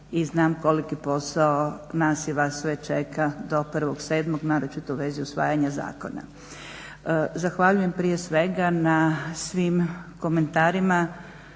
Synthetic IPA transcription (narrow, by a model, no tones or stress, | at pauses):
iznaːmko̞likipo̞saonaːsiʋasʋet͡ʃekad̪o̞pr̩ʋoɡseːd̪mo̞ɡnaːɾot͡ʃit̪ouʋe̞ziusʋa̰ːjaɲaza̰ːko̞̰na̰ | zaxʋaʎuje̞mpɾijesʋe̞ɡanasʋiːmko̞me̞nt̪aːɾima